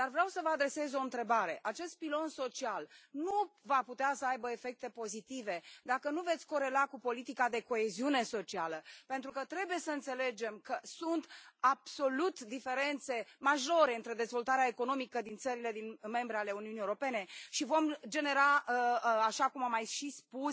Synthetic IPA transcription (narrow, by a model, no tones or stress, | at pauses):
d̪̥arvɾeawsəvəad̪ɾe̞se̞zo̞ɨnt̪ɾe̞baɾe̞ʔat͡ʃe̞st̪̚pilo̞nso̞t͡ʃialnuvaput̪easəajbəe̞fe̞k̚t̪e̞po̞zit̪ive̞d̪akənuve̞t̪sʲko̞ɾe̞lakupo̞lit̪ikad̪e̞ko̞e̞ziune̞so̞t͡ʃialəpe̞nt̪ɾukət̪ɾe̞buje̞səɨnt̪se̞le̞d͡ʒe̞mkəsunt̪ab̥so̞lut̪d̪ife̞ɾe̞nt̪se̞maʒo̞ɾe̞ɨnt̪ɾe̞d̪e̞zvo̞lt̪aɾeaeko̞no̞mikəd̪int̪səɾile̞d̪inme̞mbɾeale̞uniunijewoɾo̞pe̞ne̞ʃivo̞md͡ʒe̞ne̞ɾa | aʃakumamːajʃispu